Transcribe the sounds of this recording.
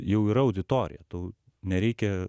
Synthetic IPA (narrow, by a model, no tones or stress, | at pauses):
jɛʊiːɾɐɐʊd̪ʲɪt̪oːɾʲɪ̰jɛt̪oʊ | nʲɛɾʲɛɪkʲɛ